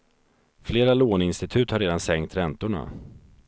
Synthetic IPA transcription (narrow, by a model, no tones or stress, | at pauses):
fleːɾaloːnɪnst̪ɪt̪ʰʉ̟ːt̪haɾeːd̪ansɛŋkt̪ɾɛnt̪ʊɳa̰